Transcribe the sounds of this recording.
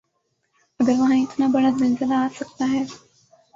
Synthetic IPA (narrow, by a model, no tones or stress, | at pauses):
ɐɡəɾʋɐɦãɪt̪nabɐɽazɪlzɪlaːsɐkt̪aɦɛː